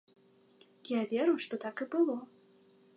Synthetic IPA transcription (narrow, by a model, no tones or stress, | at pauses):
javʲeɾujʂt̪ɔt̪akɨbɨlˠɔ